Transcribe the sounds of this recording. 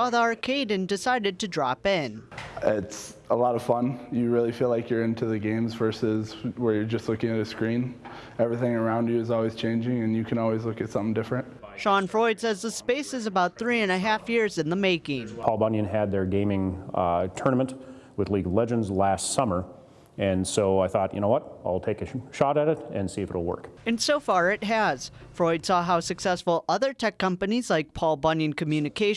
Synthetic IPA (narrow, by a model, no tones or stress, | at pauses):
ɔðɑɹkʰeɪdⁿn̩dɨsaɪɾɨd̚tʰɨdɹɑpɪ̃nɪtsəlɔɾʌv̥fʌ̃njɨɹɪlˠifilaɪkjə˞ɪ̃ntʰʉðɨɡẽɪ̃mzvɜ˞sɪzwə˞jə˞d͡ʒʌstˡlʊkɪ̃ŋɨɾɨskɹĩn | ɛvɹiθɪ̃ŋə˞ãʊ̃ndɨɨzɔlˠwiz̥t͡ʃʰẽɪ̃nd͡ʒɪ̃ŋɨ̃njɨkʰɨ̃nɔlˠwizlʊkɨtsʌ̃mθɪ̃ŋdɪfɹɨ̃nt̚ʃɑ̃nfɹɔɪd̥sɛzðəspeɪsɨzɨbaʊt̪̚θɹiɨ̃nɨɦæfjɪɹzɨ̃nðəmeɪɡẽmpʰɑlˠbʌ̃njɨ̃nɨd̪̚ðə˞ɡẽɪ̃mɪ̃ŋtʰɜ˞nəmə̃nʔ | wɨðliɡʌvlɛd͡ʒɨ̃ndzlæstsʌmə˞ | ɨ̃nsoʊaɪθɔtjʔɨ̰noʊwʌt̚aɪlˠtʰeɪkɨʃɑɾɨɾɨɾɨ̃nsiɨfɨ̰ɾl̩ˠwɜ̰˞kɨ̃nsoʊfɑɹɪt̚ɦɨz̥fɹɔɪd̥sɔɦaʊsɨksɛsfl̩ˠʌðə˞tʰɛkʰːʌ̃mpɨnizlaɪk̚pʰɑlˠbʌ̃njɨ̃nkʰɨm̩jʉnɨkʰeɪ